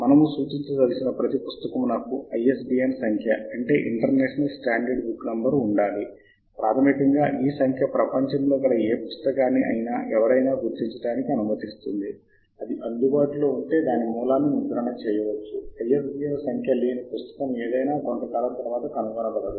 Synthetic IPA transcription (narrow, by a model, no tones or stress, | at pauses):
mɐnɐmusuːt͡ʃiɲt͡ʃɐzɐlsinɐpɾɐt̪ipust̪ɐkɐmunɐkːuɐjesɖiːensɐŋkʰjɐɐɳʈe̞̰ːʔiɳʈɐɾneːʂɐnɐlsʈaːɳɖɐɖbukːnɐmbɐɾuɳɖaːli | pɾʔaːt̪ʰɐmikɐŋɡaːʔiːsɐŋkʰjɐpɾɐpɐɲt͡ʃɐmloːikɐɽɐeːpust̪ɐkaːnːiʔɐ̰jnaːʔɛʋɐɾɐjnaːɡuɾd͡ʒ̪iɲt͡ʃɐɽaːnikiɐnumɐt̪ist̪und̪i | ɐd̪iʔɐnd̪ubaːʈilo̞ːuɳʈe̞ːd̪aːnimuːlaːnːimud̪ɐɾɐɳɐt͡ʃɛːjɐʋɐt͡ʃːuɐjes̬ɖiːensɐŋkʰjɐliːnipust̪ɐ̥kɐmeːd̪ɐjnaːko̞nt̪ɐkaːlɐmt̪ɐɾʋaːt̪ɐkɐnuɡɐnɐlɐkɐd̪u